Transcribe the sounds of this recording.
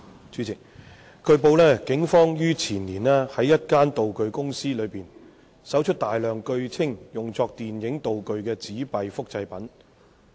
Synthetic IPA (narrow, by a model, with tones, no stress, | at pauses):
t͡ʃʰyː˨˥t͡sɪ˨˩k̚ | kɵ˧ɥp̬o˨˧wlɛː˥kɪ˨˥ŋfɔː˥ŋjyː˥t͡sʰiː˨˩nliː˨˩nɛː˥hɐ˨˥jːɐ˥t̚kaː˥nt̪o˨wkɵ˨ɥkʊ˥ŋsiː˥lɵ˨˧piː˨n | sɐ˨˥wt͡ʃʰɵ˥t̚t̪aː˨jlœː˨˩ŋkɵ˧ɥt͡sʰɪ˥ŋjʊ˨ŋt͡sɔː˧k̚t̪iː˨njɪ˨˥ŋt̪o˨wkɵ˨˧ɥkɛː˧t͡siː˨˥pɐ˨jfʊ˥k̚t͡sɐ˧jpɐ˨˥n